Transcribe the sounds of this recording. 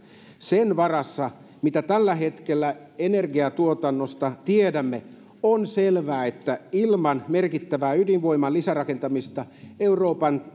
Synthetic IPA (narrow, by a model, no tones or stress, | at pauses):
senʋɑrɑsːɑ | mit̪æt̪ælːæɦe̞t̪kelːæ | enerɡiɑt̪uot̪ɑnːost̪ɑt̪iedæmːe | onselʋæːet̪ːæilmɑnmerkit̪ːæʋæːydinʋo̞imːɑlisærɑkent̪ɑmist̪ɑeuroːpɑn